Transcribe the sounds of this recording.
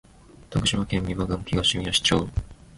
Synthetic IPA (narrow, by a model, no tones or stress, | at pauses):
βḁt̪akɯ̟̥ɕiβakẽ̞mːʲiβaɡɯ̃ŋkʲiɡaɕimʲioɕi̥t͡ɕoː